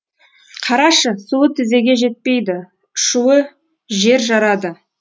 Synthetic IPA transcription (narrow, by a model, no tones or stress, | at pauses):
qʰɑɾɑʃəsuwət̪ʰɪze̞ɡʲe̞ʒe̞t̪̚pejd̪ɪ | ʃuwə | ʒe̞ɾʒɑɾɑd̪ə